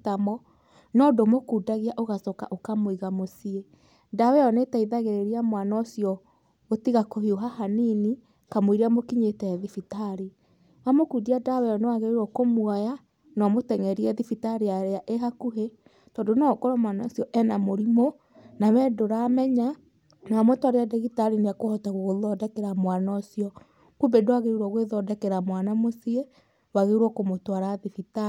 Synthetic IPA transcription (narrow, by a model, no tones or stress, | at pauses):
tamɔ | nɔdomokudaɣiaʔoɣasɔka̰ʔokamoiɣamosie | dawɛjɔnetaiðaɣeɾeɾiamwanaosijɔ | ɣotiɣakohioɦahanini | kamwiɾiamokiɲetɛːðifitaɾi | wamokuːdiadawɛjɔnewaɣeɾiɾɔkomwaja | nɔmotɛŋɛɾiɛðifitaɾiaɾeaʔeɦakuɦe | tɔːndonɔkɔɾamwanaːsjɔʔɛnamoɾimo | nawɛdoɾamɛɲa | naamwotwaɾeadɛɣitaɾineakohɔtaɣoɣoðɔdɛkeɾamwanaosiɔ | kubedoaɣeuɾwɔɣweðɔdɛkɛɾamwanamosie | waɣeuɾwɔkomotwaɾaðifita